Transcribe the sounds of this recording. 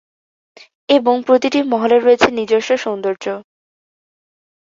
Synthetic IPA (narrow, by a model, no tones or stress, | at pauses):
eboŋpɾot̪iʈimɔɦoleɾːoet͡ɕʰenid͡ʑoʃoʃond̪oɾd͡ʑo